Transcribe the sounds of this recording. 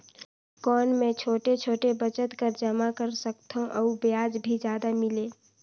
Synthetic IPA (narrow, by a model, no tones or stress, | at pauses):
kɔːnmẽt͡ʃʰoːʈet͡ʃʰoːʈebət͡ʃət̪kəɾd͡ʒəmakəɾsəkt̪ʰõʔəubjaːd͡ʒbʱid͡ʒjaːd̪amɪleː